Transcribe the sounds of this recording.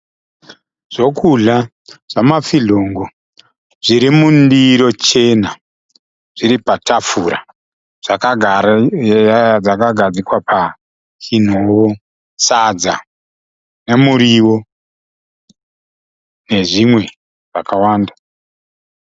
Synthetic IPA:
ʐ̥o̞kuɮa | ʐ̥amafiɮo̞ːŋɡo | ʐ̥iɾimundiɾo̞t͡ʃe̞na | ʐ̥iɾipatafuɾa̰ | ʐ̥aka | d͡zakaɡʱad͡zikwapʰa | kin̤oːwo | sad͡za | ne̞muɾiwo̞ | ne̞ʐimwe̞ | ʐ̥akawaːnda

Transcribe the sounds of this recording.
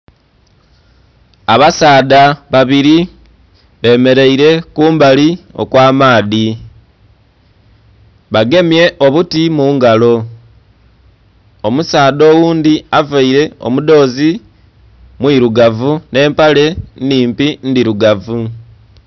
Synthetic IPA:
aβasaːdaβaβiɾi | βe̞me̞ɾe̞iɾe̞kuːmbalio̞̰kwaːmaːði | βaɡe̞mje̞ʔo̞βutimuːŋɡalo̞ | omusaːðo̞ːwuːnd̪iavaiɾe̞o̞̰muðo̞ːzi | mwiɾuɡavune̞ːmpale̞ndiːmpindiɾuɡavu

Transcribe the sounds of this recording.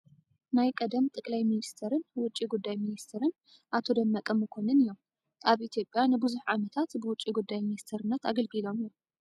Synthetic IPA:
najkʼɐd̪ɐmt̪ʼɨkʼlajminist̪ʰɐɾɨnwʊt͡ʃʼːiɡud̪ːajminist̪ʰɐɾɨn | ʔat̪ʰo̞d̪ɐmːɐkʼɐmːɨkʰo̞nɨnɨjːo̞m | ʔaβit̪ʰjo̞pʼjanɨbɨzuħʕamɐt̪ʰat̪bɨwʊt͡ʃʼːiɡud̪ːajminist̪ʰɐɾɨnːɐt̪a̰ɡɐlɡɨlo̞mijom

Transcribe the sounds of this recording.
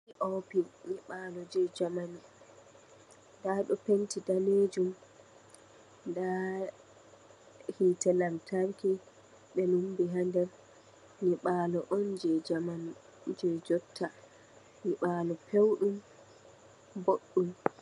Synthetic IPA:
ɲiʔɔpiniɓaːlɔd͡ʒɛd͡ʒamani | ndaɗɔpentidaned͡ʒum | nda | hitɛlamtʰaɾki | ɓɛnumbiɦandɛɾ | niɓaːlɔʔɔnd͡ʒɛd͡ʒamani | d͡ʒɛd͡ʒɔtʰːa | niɓaːlɔpʰewɗum | boɗːum

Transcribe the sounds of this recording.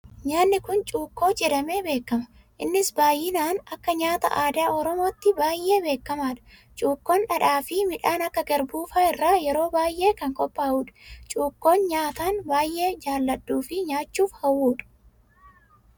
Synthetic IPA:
ɲaːnːɪkʊnt͡ʃʼuːkːo̞ːt͡ʃʼɛɾɐme̞ːbe̞ːkːɐmɐ̥ | ʔɪnːɪsbaːjːɪnaːnɐkːɐɲaːt̪ɐ̰ʔaːd̪aːʔɔɾɔmo̞ːt̪ːɪbaːjʔe̞ːbe̞ːkːɐmaːᶑɐ̥ | t͡ʃʼuːkːoːnᶑɐᶑaːfɪmɪᶑaːnɐkːɐɡɛɾbuːfaːɪrːaːjɛɾo̞ːbaːjʔe̞ːkɐŋkʼɔpʼːaːuːᶑɐ̥t͡ʃʼuːkːo̞ːnɲaːt̪aːnbaːjʔe̞ːd͡ʒaːlːɐɗːuːfɪɲaːt͡ʃːuːfhɐwːuːᶑɐ̥

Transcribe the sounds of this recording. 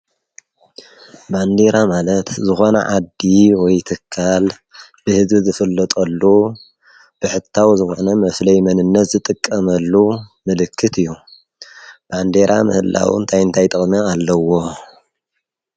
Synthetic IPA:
band̪e̞ɾamalɐt̪zɨxo̞nɐ̰ʕad̪iwɔjt̪ʰɨkʰːal | bɨhɨzbɨzɨfɨlːɐt̪ʼɐlːu | b̥ɨħɨt̪ʰːawzɨxonɐmɐflɐjmɐnɨnːɐt̪zɨt̪ʼɨkʼːɐmɐlːumɨlɨkʰːɨt̪ʰɨjːu | b̥and̪e̞ɾa̰mɨ̰hɨlːa̰w̰nt̪ʰajɨnt̪ʰajt̪ʼɐχʼmaalːɐwo

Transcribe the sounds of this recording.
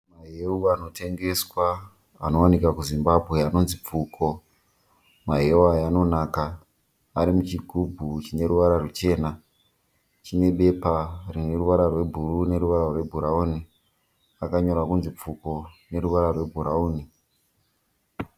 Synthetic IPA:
maɦeuano̞te̞ŋɡe̞swa | a̰no̞anikakuzimbabʱwe̞ano̞nzip͡fukʰo̞ | maɦeajano̞naːkaː | ɾimut͡ʃiɡʱubʱut͡ʃine̞ɾuʋaɾarut͡ʃe̞ːna | t͡ʃine̞ɓe̞parine̞ruʋaɾarwe̞bʱurune̞ɾuʋaɾarwe̞bʱuɾauːni | akaɲo̞ɾakunzip͡fuko̞ne̞ɾuʋaɾarwe̞bʱuɾauːni

